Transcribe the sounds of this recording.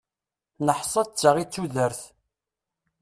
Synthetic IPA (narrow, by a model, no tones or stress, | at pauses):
nəħsˤːət͡sːəʁit͡sːuðəɾθ